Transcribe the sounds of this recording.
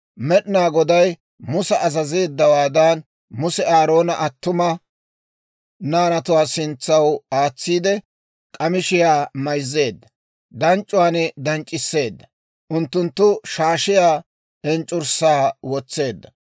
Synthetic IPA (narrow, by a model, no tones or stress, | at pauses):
mɛɗnaːɡɔd̪ɐj | mʊsɐʔɐzɐze̞ːd̪ːɐwaːd̪aːn | mʊsɛaːɾo̞ːnɐʔɐt̪ːʊmɐ | naːnɐt̪ʊwaːsɪnt͡sːɐwaːt͡sːiːd̪ɛ | kʼɐmɪʃɪjaːmɐjzːe̞ːd̪ːɐ | d̪ɐnt͡ʃʼʊwaːnɛd̪ɐnt͡ʃʼɪsːe̞ːd̪ːɐ | ʔʊnt̪ːʊnt̪ːʊʃaːʃɪjaː | ɛnt͡ʃʼʊɾsaːwɔt͡sːe̞ːd̪ːɐ